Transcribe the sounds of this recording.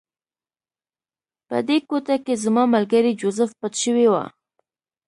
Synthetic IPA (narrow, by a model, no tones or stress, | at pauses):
pə̰d̪ekot̪akezmɑmalɡaɾid͡ʒozəfpat̪ʃəwewa̰